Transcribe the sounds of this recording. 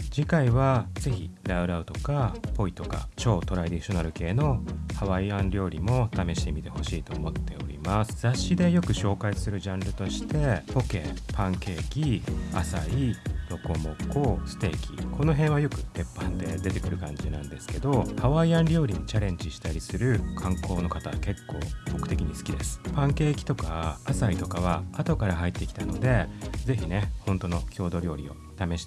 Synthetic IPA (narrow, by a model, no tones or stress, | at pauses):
d͡ʑikaiβaze̞çiɾaɯ̟ɾaɯ̟t̪o̞kapo̞it̪o̞ka̰t͡ɕo̞ːt̪o̞ɾaid̪iɕo̞naɾɯ̟ke̞ːno̞haβaiãnɾʲo̞ːɾʲimo̞t̪ame̞ɕi̥t̪e̞mʲit̪e̞ho̞ɕiːt̪o̞ːmo̞t̪ːe̞o̞̰ɾʲḭmasɨ̥zaɕːid̪e̞jo̞kɯ̟ɕo̞ːkaisɨɾɯ̟ʑãnɾɯ̟t̪o̞ɕi̥t̪e̞po̞ke̞̰ːpʰãŋke̞ːɡʲia̰saiɾo̞ko̞mo̞koːsɨ̥t̪e̞̰ːkʲḭkʰo̞no̞ɦẽɰ̃βajo̞kɯ̟t̪e̞pːãnd̪e̞d̪e̞t̪e̞kɯ̟ɾɯ̟kãɲ̟d͡ʑinã̰nd̪e̞sɨ̥ke̞d̪o̞haβaiãnɾʲo̞ːɾʲiɲ̟it͡ɕaɾẽ̞ɲ̟d͡ʑiɕi̥t̪aɾʲisɨɾɯ̟kʰãŋko̞ːno̞kat̪ake̞kːo̞̰ːbo̞kɯ̟̥t̪e̞kʲiɲ̟isɨ̥kʲid̪e̞sɨ̥pãŋke̞ːkʲi̥t̪o̞kaːsait̪o̞kaβ̞aat̪o̞kaɾaɦait̪ːe̞kʲi̥t̪ano̞d̪e̞ze̞çine̞hõ̞nt̪o̞no̞kʲo̞ːd̪o̞ɾʲo̞ːɾʲio̞̰ | t̪ame̞ɕi̥t̪a